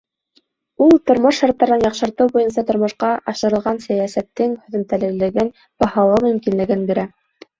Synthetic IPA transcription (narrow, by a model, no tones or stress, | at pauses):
ulˠt̪ŏɾmoʃːɑɾt̪ːɑɾɤnjɑqʃɤ̆ɾt̪ɤwbujɤns̬ɑt̪ŏɾmŏʃqɑʔɑʃɤ̆ɾɤ̆lˠʁɑnsæjæsæt̪ːɘŋhɵ̆ðɘ̆mt̪ælɘ̆lɘ̆ɡɘn | b̥ɑhɑw̪ˠɤmɵ̆mkinlɘ̆ɡɘnbiɾæ